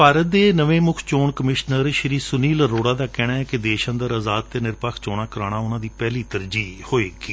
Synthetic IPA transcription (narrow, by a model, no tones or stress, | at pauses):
paːɾət̪̚d̪eːnəʋẽːmʊkʰt͡ʃoːɳkəmɪʃnəɾʃəɾiːsʊniːlɾoːɽaːd̪aːkɛːɽaːɛːkɪd̪eːʃãːd̪əɾəzaːt̪ːeːnɪɾpakʰt͡ʃoːɽaːkəɾaːɽ̃aːʊnãːd̪iːpɛːliːt̪əɾd͡ʒiːhoːeːkiː